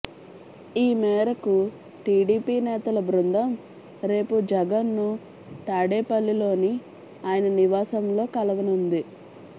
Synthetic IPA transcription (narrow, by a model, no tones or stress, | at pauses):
iːmɛːɾɐku | ʈiːɽiːpiːnɛːt̪ɐlɐbɾund̪ʱɐm | ɾe̞ːpud͡ʒɐɡɐnːu | t̪aːɽeːpɐlːilo̞ːni | aːjɐnɐniʋaːsɐmlo̞ːkɐlɐʋɐnund̪i